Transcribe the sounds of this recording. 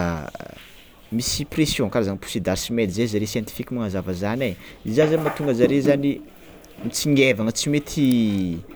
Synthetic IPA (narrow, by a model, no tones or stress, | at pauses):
misipresjõkaɾazanpu̥sid̪aɾsimelzezaɾesjɛnt̪i̥fikʲimaŋazavəzanaizazamat̪uŋɡəzaɾezani | mit͡siŋevaŋət͡simet̪ʰi